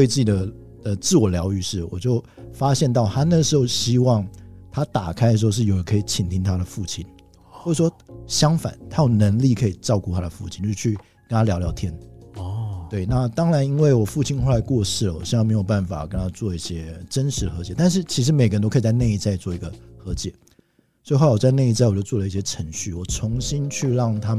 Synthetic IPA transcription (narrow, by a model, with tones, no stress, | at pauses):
we˥˧ɪt͡sɹ̩˥˩t͡ɕi˨˩d̪ə˦˩ | d̪ə˨t͡sɹ̩˥˩wɔ˨˩ljɑ˧˥ʊy˥˧ʂɻ̩˥˩wɔ̰˨˩t͡ɕjo˥˩ʊ | fa˥ɕjɛ˥˧nt̪ɑ˥˩ʊt̪ʰa˥nə˥˩ɡə˩ʂɻ̩˧˥xo˥˧ʊɕi˥wɑ˥˩ŋt̪ʰa˥t̪a˨˩kʰa˥ɪdə˧ʂ̬̩˧˥˧ʂɻ̩˥˩jo˨˩ʊə˨˥kʰɤ˧˥i˨˩t͡ɕʰi˨˩nt̪ʰi˥ŋt̪ʰa˥d̪ə˨fu˥˩t͡ɕʰi˥n | wɔ˥˩˨ʂwɔ˥ɕjɑ˥ŋfa̰˨˩˦nt̪ʰa˥jo˨˩ʊnə˧˥ŋli˥˩kʰɤ˧˥i˨˩ʈ͡ʂɑ˥˧ʊku˥˩t̪ʰa˥d̪ə˨fu˥˩t͡ɕʰi˥nt͡ɕo˥˧˩ʂ̩˥˧t͡ɕʰy˥˩ | kə˦nt̪ʰa˥ljɑ˧˥ʊljɑ˧˥ʊt̪ʰjɛ˥n˨ | t̪we˥˩ɪna˥˩t̪ɑ˥ŋɻa˧˦˥ni˥nwe˥˩ɪwɔ˨˩fu˥˨˩t͡ɕʰi˥nxo˥˩la˨˧˥ɪkwɔ˥˧ʂɻ̩˥˩wɔ̰˨˩ɕme˧˥ɪjo˨˩ʊpa˥˩nfa̰˨˩kə˥˦nt̪ʰa˥t͡swɔ˥˧i˥˩ɕjɛ˥ʈ͡ʂə˥nʂɻ̩˧˥ə˧xɤ˧˥t͡ɕjɛ˨˧˦t̪a˥˧nʂ̬ɻ̩˥˩t͡ɕʰi˧˥ʂ̬ɻ̩˧˥me˨ɪkə˧˥no˥ʊkʰt͡sa˥˧ɪna˥˧i˥˧t͡sa˥˧ɪi˨˩t͡swɔ˥˩i˧˥ɡə˧xɤ˧˥t͡ɕjɛ˨˩˦ | sso˧˥i˨xo˥˩la˧˩wɔ˨˩t͡sa˥˧ɪna˥˧i˥t͡sa˥˩ɪwɔ˨˩t͡ɕo˥˧ʊt͡swɔ˥˩lə˧˦i˥˩ɕjɛ˥ʈ͡ʂʰə˧˥˦ŋɕy˥˩wɔ˨˩ʈ͡ʂʰʊ˧˥ŋɕi˥nt͡ɕʰy˥˧ɻɑ˥˩ŋt̪ʰa˥˨